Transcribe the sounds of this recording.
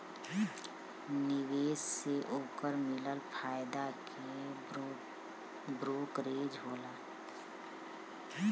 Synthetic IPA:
nɪweːsseʔoːkəɾmɪləlpʰaːɪd̪akʰ | e | bɾoːkɾeːd͡ʒɦoːla

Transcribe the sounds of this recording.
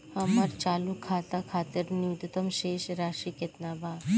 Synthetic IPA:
həmaɾt͡ʃaːlukʰːaːt̪akʰaːt̪əɾnut̪t̪əmʃeːʃɾaːʃiket̪nabʱa

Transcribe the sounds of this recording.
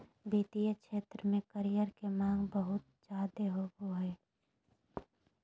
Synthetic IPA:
biːt̪ijəkʃeːt̪ɾəmẽkəɾijəɾkemãːŋɡbəɦʊt̪̚d͡ʒaːd̪eɦoɡoɦɛː

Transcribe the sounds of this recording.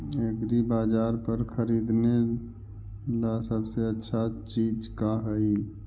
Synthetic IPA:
ekɾibaːd͡ʒaːɾpəɾkʰəɾiːd̪ne | lasəbseətːʃʰat͡ʃiːd͡ʒkaɦəi

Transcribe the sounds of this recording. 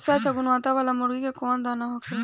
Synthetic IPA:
sat͡ʃʰaːɡʊnʋãːt̪aʋaːlaːmʊɾɡiːkekoːnd̪aːnaːɦoːkeː

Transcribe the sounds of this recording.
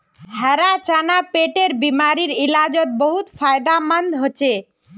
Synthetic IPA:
ɖʱəɾat͡ʃanapeʈeɾbimaɾiɾilad͡ʒɔt̪̚bɔɦut̪pʰajd̪amənd̪ɦot͡ʃʰe

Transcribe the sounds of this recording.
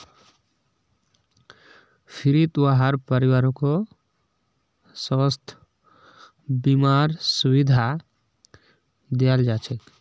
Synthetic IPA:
pʰiɾit̪uaɦaɾpəɾiwaɾõko | səəst̪ʰ | bimaɾsubid̪ʱa | d̪ijald͡ʒat͡ʃʰɛk

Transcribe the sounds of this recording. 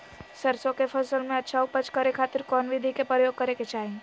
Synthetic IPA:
səɾsõkepʰɐsəlmẽɐtːʃʰaʊpət͡ʃkəɾekʰaːt̪ɪɾkɔːnʋɪd̪ʱikepɾəjoːɡ̚kəɾeket͡ʃaːɦĩ

